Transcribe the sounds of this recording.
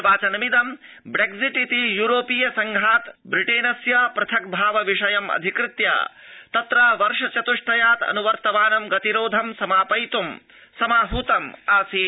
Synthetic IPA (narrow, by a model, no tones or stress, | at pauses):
ʋaːt͡ʃɐnɐmid̪ɐm | bɾeɡziʈit̪ijuːɾoːpijɐsɐŋɡʱaːt̪bɾiʈeːnɐsjapɾɐt̪ʰɐk̚bʱaːʋɐʋiʂɐjɐmɐ̰d̪ʱikɾɪt̪ja̰ːt̪ɐt̪ɾaːʋɐɾʂɐt͡ʃɐt̪uʂʈɐjaːt̪ɐ̰nuʋɐɾt̪ɐʋaːnɐmɡɐt̪iɾoːd̪ʱɐmsɐmaːpɐjt̪um | sɐmaːɦuːt̪ɐmaːsi